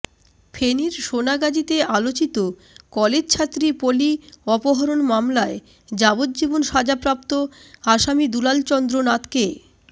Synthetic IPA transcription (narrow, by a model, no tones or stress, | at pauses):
fʰeniɾʃonaɡad͡ʑit̪ealot͡ɕit̪o | kɔled͡ʑt͡ɕʰat̪ːɾipoliɔpoɦɔɾonmamlae | d͡ʑabod̪̚d͡ʑibonʃad͡ʑapɾap̚t̪oaʃamid̪ulalt͡ɕɔnd̪ɾonat̪ke